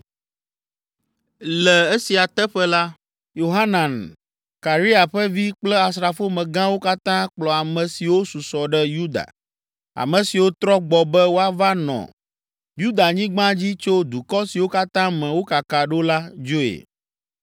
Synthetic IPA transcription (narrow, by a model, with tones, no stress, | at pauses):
lɛ˨e˦si˨a˨t̪ɛ˦ɸɛ˦la˦ | jo˨ɦa˦nã˨n | ka˨ɾi˦a˨ɸɛ˦vi˦k͡plɛ˦a˨sɾa˨fo˦mɛ̃˨ɡã˦wo˦ka˦t̪ã˦k͡plɔ˨a˨mɛ̃˨si˨wo˦su˨sɔ˨ɖɛ˦ju˦d̪a̰˨ | a̰˨mɛ̃˨si˨wo˦t̪ɾɔ˦ɡ͡bɔ˨bɛ˦wo˦a˨va˦nɔ̰̃˨ | ju˦d̪a˨ɲĩ˦ɡ͡bã˦d͡ʑi˦t͡ʃo˦d̪u˨kɔ˦si˨wo˦ka˦t̪ã˦mɛ̃˨wo˦ka˨ka˨ɖo˦la˦d͡ʒo˦ḛ˨